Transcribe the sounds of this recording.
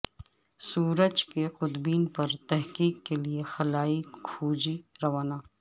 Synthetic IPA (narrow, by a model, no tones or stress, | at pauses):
suːɾəd͡ʒkeqʊd̪biːnpɐɾt̪ɛɦqiːkːeliexɐlaːikʰuːd͡ʒiɾɐʋaːnaː